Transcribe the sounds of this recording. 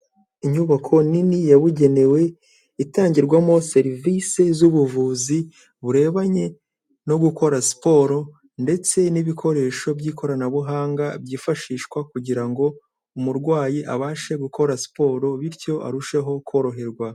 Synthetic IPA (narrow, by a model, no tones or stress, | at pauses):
iɲuβakʰo̞ninijaβuɟe̞ne̞we̞ | itaːɲɟiɾɡwamo̞se̞ɾivise̞zuβuvuːzi | βuɾe̞ːβaɲe̞ | no̞ɡuko̞ɾasi̥po̞ːɾo̞ | nde̞t͡se̞niβikʰo̞ɾe̞ːʃo̞bjiːkʰo̞ɾanaβuɦaːŋɡabjiːfaʃiːʃkwakuɟiɾaŋɡo̞ | umuɾɡwaːjiʔaβaːʃe̞ɡukʰo̞ɾasi̥po̞ːɾo̞βiɾco̞ʔa̰ɾuʃe̞ɦo̞kʰo̞ːɾo̞ɦe̞ɾɡwa